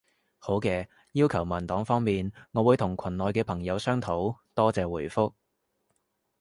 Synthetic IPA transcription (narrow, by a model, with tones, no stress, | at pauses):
ho˨˥wkɛː˧ | jiː˥wkʰɐ˨˩wmɐ˨˩nt̪ɔː˨˥ŋfɔː˥ŋmiː˨nŋɔː˨˧wuː˨˧jt̪ʰʊ˨˩ŋkʷʰɐ˨˩nlɔː˨jkɛː˧pʰɐ˨˩ŋjɐ˨˧wsœː˥ŋt̪ʰo˨˥wt̪ɔː˥t͡sɛː˨˧wuː˨˩jfʊ˥k̚